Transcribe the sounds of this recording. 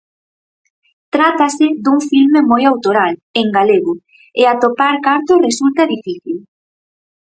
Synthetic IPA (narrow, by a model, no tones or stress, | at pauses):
t̪ɾat̪asɪðuŋfilmemojawt̪oɾaleŋɡaleɣʊ | eat̪opaɾkaɾt̪ʊresult̪ɐðifiθil